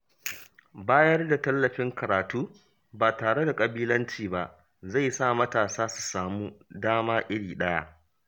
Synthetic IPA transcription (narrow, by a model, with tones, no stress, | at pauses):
baː˦jɐ˦rda˨tɐ˦lːɐ˨ɸɪ˦ŋkɐ˨ɾaː˨tuː˦ | baː˨taː˨ɽe˦da˨kʼɐ˨biː˦lɐ˦nt͡ʃiː˨ba˨ʔ | za˦˨jsa˦˨mɐ˦taː˨saː˦su̥˨saː˨muː˦daː˦maː˦ʔɪ˦ɽiː˨ɗɐ˦ja̰˦